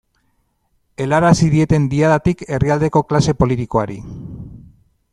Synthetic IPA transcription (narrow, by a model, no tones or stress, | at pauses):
e̞laɾasiðie̞t̪e̞nd̪iaðat̪ike̞riald̪e̞ko̞klase̞po̞lit̪iko̞aɾḭ